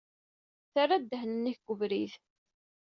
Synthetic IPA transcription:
θarˤːad̪ːəhnənːiçɡ̥ʷəvɾiθ

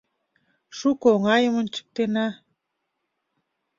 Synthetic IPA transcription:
ʃukoŋɑjə̆mənt͡ɕə̥k̚t̪enɑ

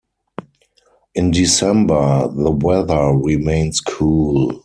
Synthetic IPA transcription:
ʔɪ̃ndisɛ̃mbə˞ðəwɛðə˞ɹimẽɪ̃nskʰuːl

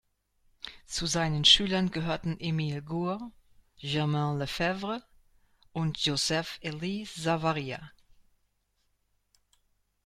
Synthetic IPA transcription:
t͡suzaɪnənʃyːlɐnɡəɦøːɐtn̩ʔemiːlɡuː | ʒɛɐmãləfɛvʁə | ʔʊntʰjozɛfelisz̥avaʁiːa̰

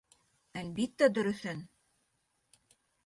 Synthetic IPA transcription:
ælbit̪ːæd̪ɵ̆ɾɵ̆θɘn

